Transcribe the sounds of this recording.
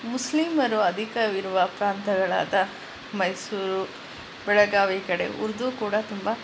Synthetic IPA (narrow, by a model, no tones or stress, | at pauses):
muslimɐɾuɐd̪ʱikɐʋiɾuʋɐpɾaːnt̪ɐɡɐɭa̰ːd̪ɐ | mɐjsuːɾu | bɛɭɐɡaːʋikɐɽe̞̰ʔṵɾd̪ukuːɽɐt̪umbɐ